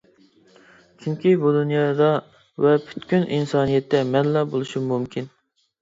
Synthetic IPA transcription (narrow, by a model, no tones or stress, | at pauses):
t͡ʃʰyŋkʲʰibud̪unjɑːd̪ɑ | vɛpʰy̥t̪kʲynʔinsɑːnijɛt̪ʰːɛmɛnlːɑbolˠuʃimumkʲʰin